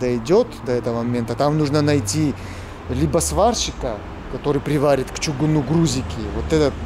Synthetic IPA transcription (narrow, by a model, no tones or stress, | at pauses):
d̪ɐjdʲot̪d̪ɐɛt̪əvəmɐmʲe̞nt̪ət̪amnuʐnənɐjtʲi | lʲibəsvarɕɪkə | kɐt̪o̞ɾɨjpɾʲɪvaɾʲɪt̪kt͡ʃʊɡʊnuɡɾuzʲɪkʲɪvot̪ɛt̪ət̪